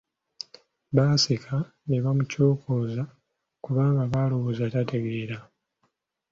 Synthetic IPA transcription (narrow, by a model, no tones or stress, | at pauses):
βaːsekʰa | neβamuco̞ːkʰo̞ːza | kuβaːŋɡaβaːlowozatate̞ɡe̞ːɾa